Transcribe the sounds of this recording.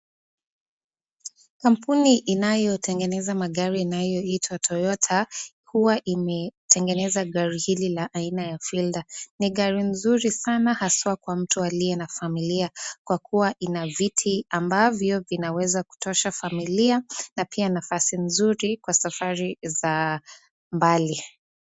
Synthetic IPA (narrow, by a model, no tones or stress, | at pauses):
kam̩puniʔinajɔtʰɛŋɡɛnɛzamaɠaɾiːnajɔitʰwatʰɔjɔtʰa | huwaʔimɛtʰɛŋɡɛnɛzaɠaɾihililaʔainajafildaniɠaɾinzuɾisanahaswakwam̩tualiɛnafamiliakwakʰuwaʔinavitʰiambavjɔvinawɛzaku̥tɔʃafamilianapʰianafasinzuɾikwasafaɾiza | mbali